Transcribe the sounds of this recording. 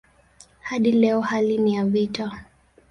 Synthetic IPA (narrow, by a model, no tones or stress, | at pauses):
haɗilɛɔhalinijavita